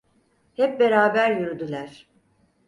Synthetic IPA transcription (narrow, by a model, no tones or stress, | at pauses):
hɛp̚be̞ɾaːbæɾjyɾyd̪ylʲæɾ̥